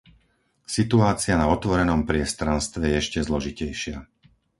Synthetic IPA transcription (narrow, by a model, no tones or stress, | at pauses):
sit̪uaːt͡sɪanaɔt̪ʋɔɾɛnɔmpɾɪɛst̪ɾanst̪ʋɛjɛɛʃcɛzlɔʒicɛjʃɪa